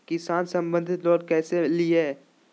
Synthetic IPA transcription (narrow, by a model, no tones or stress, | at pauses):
kɪsaːnsɐ̃mbə̃nd̪ʱɪt̪lɔːɾkɛːselieː